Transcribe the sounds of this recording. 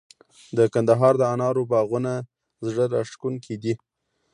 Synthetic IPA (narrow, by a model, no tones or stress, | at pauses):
d̪əkand̪aɦɑɾd̪əanɑɾobɑɣuna | zɽəɾaʂkunkʰed̪i